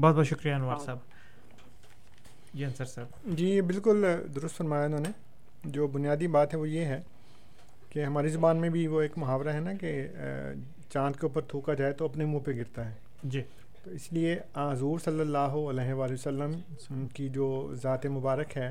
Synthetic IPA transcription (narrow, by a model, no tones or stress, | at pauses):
bɔːt̪̚bɔːt̪ʃʊkɾijaɪnʋaːɾsaːb | d͡ʒiːɐnsəɾsabd͡ʒiːebɪlkʊld̪ʊɾʊst̪fɐɾmaːjaɪnɦõːne | d͡ʒoːbʊnijaːd̪ibaːt̪ɦɛʋojeɦɛː | keɦɐmaːɾizʊbaːnmẽbʱiʋoeːkmʊɦaːʋɾaɦɛnake | t͡ʃãːt̪keuːpəɾt̪ʰuːkad͡ʒaːet̪oɐpnemũːpeɡɪɾt̪aɦɛː | d͡ʒiː | t̪oɪslieãːɦɐzuːɾsɐlːəlːaːɦoɐlɛːɦeʋaːliʋəsəlːəm | kid͡ʒoːzaːt̪emʊbaːɾəkɦɛː